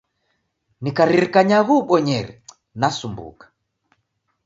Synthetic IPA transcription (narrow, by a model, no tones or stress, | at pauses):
nikaɾiɾikaɲaɣuɓɔɲɛɾɛ̰ | nasumbṵkḁ